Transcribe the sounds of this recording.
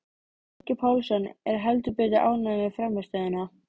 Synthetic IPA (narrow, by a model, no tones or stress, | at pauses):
ɛcɪpʰawlsɔnːɛ̰ɾ̥ɦɛlt̪̬ʏpɪːt̪̬ɪʔa̰ːwnaːmɪfɾamːɛst̪aðɪna